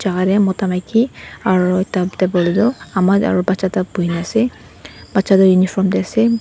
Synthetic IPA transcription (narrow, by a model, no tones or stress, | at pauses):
d͡ʒaɡaɾɛmɔtamajkiaɹutatɛbɔlidɔamaa̰ɹubatsatab̥uɦinɛasɛ | b̥atsadɔjunipʰɔmdɛasɛ